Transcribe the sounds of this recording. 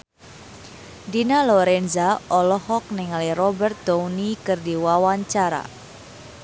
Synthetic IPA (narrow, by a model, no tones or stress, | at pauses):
dinalɔɾɛnzaʔɔlɔhɔk̚nɛŋalirɔbɛrt̪̚d̪ownikɨrdiwawaɲt͡ʃaɾa̰